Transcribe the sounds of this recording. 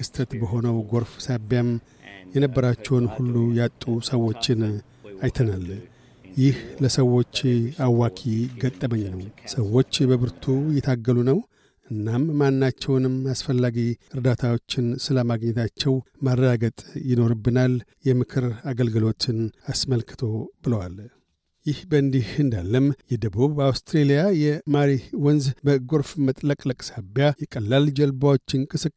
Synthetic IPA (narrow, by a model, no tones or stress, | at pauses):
kʰɨst̪ʰət̪bəɦo̞nəwɡo̞ɾfsabjam | jɛnəbːəɾat͡ʃːɛwnhulːujat̪ʼːusəwo̞t͡ʃːɪn | ajt̪ʰənal | jɪhləsəwo̞t͡ʃːawakʰiɡət̪ʼːəməɲːnəwsəwo̞t͡ʃːbəβɨɾt̪ʰujɛt̪ʰaɡːəlunəw | ʔɨnːamːanːat͡ʃːɛwnɨmasfəlːaɡiɨɾd̪at̪ʰawo̞t͡ʃːɪnsɨləmaɡɲːɛt̪ʰat͡ʃːɛwmarːəɡaɡət̪ʼjɪno̞ɾɨbːɨnaljɛmɨkʰɨɾaɡəlɡəlo̞t̪ːɪnasməlkʰɨ̥t̪ʰo̞bɨləwal | jɪhbəɨnd̪ihɨnd̪alːəmjɛd̪əβuβawst̪ʰɾelijajɛmaɾiwɔnzbəɡo̞ɾfmət̪ʼləkʼləkʼsabjajɛkʼəlːald͡ʒɛlbawot͡ʃːɪnkʼɨsɨkʼ